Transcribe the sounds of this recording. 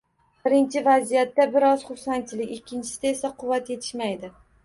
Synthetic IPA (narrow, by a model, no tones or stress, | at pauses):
bɪɾɪnt͡ʃʰɪvazijat̪ːabɪɾɒz̥χʊɾsant͡ʃʰɪlɪkʲɪkʲʰːɪnt͡ʃʰɪ̥sɪd̪ae̞saqʰʊvːat̪je̞t̪ʰɪ̥ʃmajd̪ɪ